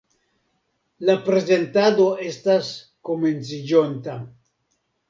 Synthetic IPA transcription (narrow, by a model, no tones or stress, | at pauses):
lapɾe̞ze̞ntado̞e̞stas | kome̞nt͡sid͡ʒont̪a